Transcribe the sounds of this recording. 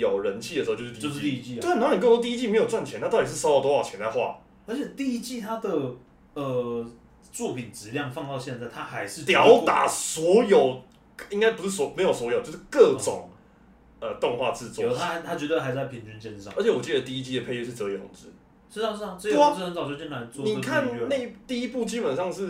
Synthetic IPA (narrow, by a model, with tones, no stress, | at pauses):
jo˨˩ʊɻə˦nt͡ɕʰi˥˩ə˩˧˥t͡ɕo˥˧˩o˥˧˥i˧t͡ɕi˥˨wn˨˧˥n˨kɤ˥˩˥t̪i˥˧i˥t͡ɕi˥˩me˧˥ɪjo˨˩ʊt͡swa˥˩nt͡ɕʰjɛ˦nʰa˥t̪ɑ˥˩ti˨˩ʂ̩˥˩ʂɑ˥ʊɑ˨˩t̪wɔ˥wɑ˥˨˩t͡ɕʰjɛ˧˦nt͡sa˥˧ɪxwa̰˥˨ | ə˧˥t͡ɕʰjɛ˨˩t̪i˥˧i˥t͡ɕi˥˧t̪ʰa˥d̪ə˨ | ə˨˩ | t͡swɔ˥˩pʰi˨˩nʈ͡ʂɻ̩˧˥ljɑ˥˧ŋfɑ˥˧ŋt̪ɑ˥˧ʊɕjɛ˥˧nt͡sa˥˩ɪt̪ʰa˦xa˧˥ɪʂ̩˥˧t̪jɑ˧˦˥ʊt̪a̰˨˩˦swɔ˧˦˥jo˨˩ʊ | i˥ŋka˥ɪpu˧˥ʂɻ̩˥˩sɔ˧˦me˧˥ɪjo˨˩ʊs̬wɔ˧˥jo˨˩˦t͡ɕo˥˧ʊʂɻ̩˥˧kɤ˥˧t͡sʈ͡ʂʊ̰˨˩ŋ | ə˨˩t̪o˥˧ŋxwa̰˥˧t͡sɹ̩˥˧t͡swɔ˥˩t̪ʰa˥˧˥t̪ʰa˥t͡ɕɥɛ˧˥t̪we˥˩xa˧˥ɪ˥t͡sa˥˩pʰi˧˥nt͡ɕy˦nt͡ɕjɛ˥˧nʂɑ̰˥˨ŋə˧˥t͡ɕʰjɛ˧˦wɔ˨˩t͡ɕi˥˩d̪ə˩t̪i˥˧i˦˥t͡ɕi˥d̪ə˨pʰe˥˧ɪɥy˥˧ʂ̩˥˩t͡sɤ˧˦jɛ˨˩ʊ̰˨˩˦ŋt͡sɹɻ̩˦ | ʂɻ̩˥˩a˨˧ʂ̩˥˩a˨˩sə˥jo˨˥t͡sɻ̩˥˩xə˧˦nsɑ˨ʊt͡ɕjo˥˧˩t͡ɕi˥˩nla˧ɪt͡swni˨˩kʰa˥˨nnne˥˧t̪i˥˧i˦˥pu˥˨t͡ɕi˥npə˨˩nʂɑ˥˧ŋʂɻ̩˥˨